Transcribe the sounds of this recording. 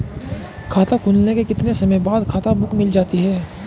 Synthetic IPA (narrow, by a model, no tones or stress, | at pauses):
kʰaːt̪akʰuːlnekekɪt̪nesɐmẽbaːd̪kʰaːt̪abʊkmɪld͡ʒaːt̪iɦɛː